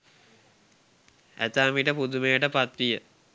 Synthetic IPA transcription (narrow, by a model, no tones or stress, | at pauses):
æ̰t̪aːmiʈəpud̪umejəʈəpat̪ʋijə